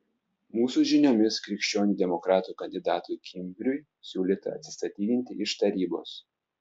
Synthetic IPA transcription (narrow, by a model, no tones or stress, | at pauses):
muːsuʒʲɪnʲoːmʲɪskɾʲɪkʲʃʲt͡ʃʲoːnʲuːd̪ʲɛmɔkɾɑːt̪uːˑkɐnʲd̪ʲɪd̪ɑːt̪ʊjkʲɪmʲbʲɾʲʊɪ | sʲuːlʲiːt̪ɐɐ̰t̪ʲsʲɪst̪ɐt̪ʲiːd̪ʲɪnʲt̪ʲɪɪʃt̪ɐɾʲiːbo̰ːs